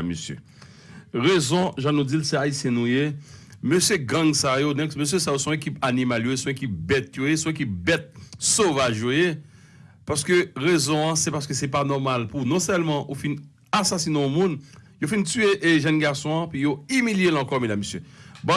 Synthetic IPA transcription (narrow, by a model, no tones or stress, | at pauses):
mːøsjø̰ | ʁezɔ̃ʒãnud͡zilsɛaisjɛ̃nũje | møsjøɡãŋsajonɛ̃kmøs̬jøsajosɔ̃ekipanimaljojesɔ̃ekip̚bɛt̪̚jojesɔ̃ek̬ip̚bɛt̪̚sovaʒjoje | paʁsə̥køʁezɔ̃ãsɛpaʁsə̥køsɛpanɔʁmalpunɔ̃sɛlmɑ̃ʔufin | asasinẽɔ̃mũn | jofintyeʔʒɛnɡaʁsɔ̃ãpɥijoimiljelɑ̃kɔmed̪amːøsjøbɔ̃